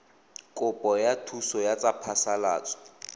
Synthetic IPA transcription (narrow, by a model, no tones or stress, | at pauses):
kʼʊpʼɔjatʰusɔjat͡sʼapʰasala̰ːt͡sʼɔ̥